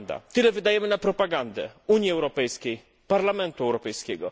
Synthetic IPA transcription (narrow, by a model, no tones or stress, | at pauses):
nd̪a̰t̪ɘlɛvɘd̪ajɛmɘnapɾɔpaɡand̪ɛ̰uɲjiɛwɾɔpɛjskʲej | paɾlamɛnt̪uɛwɾɔpɛjskʲɛɡɔ